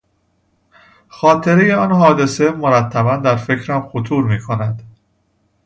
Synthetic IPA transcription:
xɒːt̪ʰe̞ɾe̞jeɒnɦɒːd̪e̞se̞mo̞ɾæt̪ʰːæbænd̪æɾfe̞cʰɾæmxot̪ʰuːɾmiːkʰo̞næd̪̥

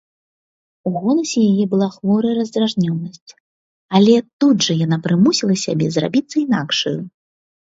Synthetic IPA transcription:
uɣɔlˠɐsʲɛjajɛbɨlˠaxvɔɾɐjɐɾɐzd̪ɾaʐnʲɔnːɐsʲt͡sʲ | alʲɛt̪ud̪ʐɐjanapɾɨmusʲilˠɐsʲa̰bʲɛzra̰bʲit̪sːɐinakʂɐju

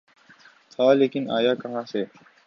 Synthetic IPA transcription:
t̪ʰaːleːkɪnaːjaːkɐɦãːse

